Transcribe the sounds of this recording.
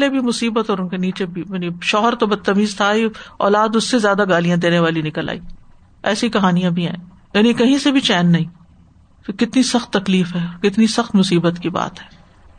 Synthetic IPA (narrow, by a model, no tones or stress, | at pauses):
lebʱimʊsiːbət̪ɔːɾʊnkeniːt͡ʃebʱijaːniʃɔːɦəɾt̪obɐd̪̚t̪ːɐmiːzt̪ʰaiɔ̰ːlaːd̪ʊsːezjaːd̪aɡaːlijãd̪eːneʋaːlinɪkəlʔa̰ːiː | ɛ̰ːsikɐɦaːnijãbʱiɦɛ̰̃ː | jaːnĩkɐɦĩsebʱit͡ʃɛːnːɐɦĩː | kɪt̪nisɐxt̪ːɐkliːfɦɛːkɪt̪nisɐxt̪mʊsiːbət̪kiba̰ːt̪ɦɛː